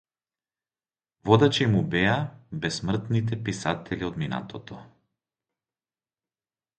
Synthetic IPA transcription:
vɔd̪at͡ʃɛmubɛabɛsmr̩t̪nit̪̬ɛpisat̪ʰɛliod̪mina̰t̪ʰɔt̪ʰɔ

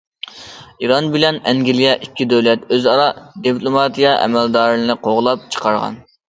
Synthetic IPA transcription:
iɾɑnbɪlɛnɛŋɡʲɪlijɛʔikʲːid̪øwlɛt̪øzɑɾɑd̪ipʰlˠomɑt̪ʰijɑʔɛ̰mɛld̪ɑːɾlɨnɨqʰoʁlˠɑp̚t͡ʃʰə̥qʰɑɾʁɑ̰n

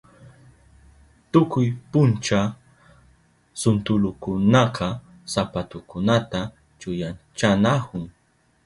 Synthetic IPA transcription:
t̪ʊkʊjpʊnt͡ʃa | sʊnt̪ʊlʊkʊnɑqɑ | sapat̪ʊkʊnat̪a | t͡ʃʊjant͡ʃanahʊŋ

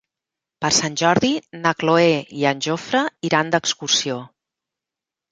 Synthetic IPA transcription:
pəɾsanʲʒɔɾðinəkloeiənʲʒofɾəiɾand̪əkskursio

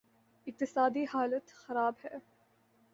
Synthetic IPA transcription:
ɪq̚t̪ɪsaːd̪iːhaːlət̪xɐɾaːbhɛː

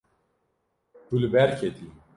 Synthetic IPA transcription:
t̪ulbɛɾkʰet̪i

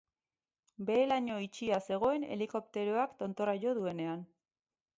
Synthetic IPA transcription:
be̞ːlaɲo̞it͡ʃiase̞ɣ̞o̞e̞ne̞̰liko̞p̚t̪e̞ɾoakt̪o̞nt̪o̞rajo̞ðue̞ne̞an

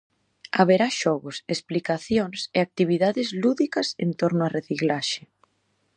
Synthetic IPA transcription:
aβeɾaʃɔɣʊsesplikaθjoŋseak̚t̪iβ̞iðaðɪzluðikɐsḛnt̪oɾnʊareθiklaʃe

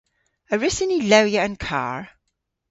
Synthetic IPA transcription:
əɹɪsɪnilawjəə̃nkʰa̰ːɹ

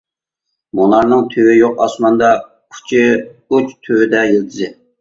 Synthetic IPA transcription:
monɑɾnɨŋt̪ʰøwɪjoqɑsmɑnd̪ɑ | kʲʰy̥t͡ʃʰiut͡ʃt̪ʰøwɪd̪ɛjeld̪ʰɨzɪ

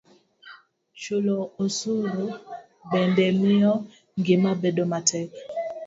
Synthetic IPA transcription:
t͡ʃuloosuɾu | bɛndɛmiɔ | ŋɡemabɛdomatɛk

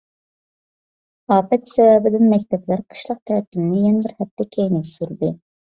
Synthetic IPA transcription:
ɑːpɛt̪sɛwɛbɪd̪ɪnmɛkʲt̪ʰɛplæɾqʰə̥ʃlˠəq̚t̪ʰɛːt̪ʰːylɪnɪjɛnɛbɪɾχɛp̚t̪ʰːɛkʲʰejnɪpʲsyɾd̪ɨ

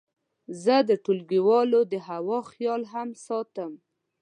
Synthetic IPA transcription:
zəd̪əʈulɡiwɑlod̪əɦawɑxjɑlɦamsɑt̪əm

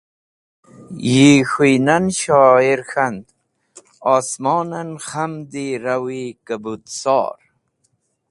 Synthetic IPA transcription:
jixujnanʃɑːiɾxand̪ | ɑːsmɑːnanχamd̪iɾawikabut̪sɑ̰ːɾ

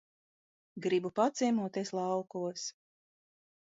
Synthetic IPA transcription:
ɡɾibupat̪sʲiɛmuɔt̪eːslˠɑwkuɔs

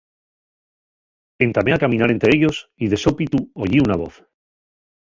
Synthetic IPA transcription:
e̞nt̪ame̞akamĩnaɾe̞nt̪ɾe̞eʝo̞siðe̞so̞pit̪uoʝiunaβo̞̰θ

